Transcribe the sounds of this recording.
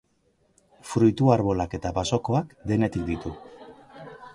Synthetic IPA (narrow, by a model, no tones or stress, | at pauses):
fɾujt̪uaɾβo̞lake̞t̪abaso̞ko̞akd̪e̞ne̞t̪ik̚d̪it̪u